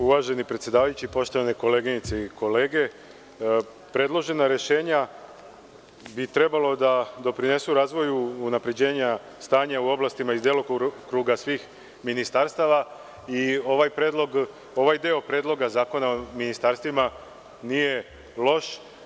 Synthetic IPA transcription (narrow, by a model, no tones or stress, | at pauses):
uʋaʒe̞nipɾet̪sʲje̞d̪aːʋajut͡ɕipo̞ʃt̪o̞ʋaneko̞le̞ɡinit̪seiko̞leːɡe̞ | pɾe̞d̪lˠo̞ʒe̞naɾe̞ʃe̞ːɲa | bit̪ɾe̞balˠo̞d̪ad̪o̞pɾine̞suɾaːzʋo̞juːnapɾe̞d͡ʑe̞ːɲa | st̪aːɲauo̞blˠast̪imaizd̪jelokkɾuːɡasʋiːx | minist̪aɾst̪aʋa | io̞ʋajpɾed̪lˠo̞ɡ | o̞ʋajd̪eopɾed̪lˠo̞ɡazaːko̞naominist̪aɾst̪ʋima | nije̞ | lˠo̞ʃ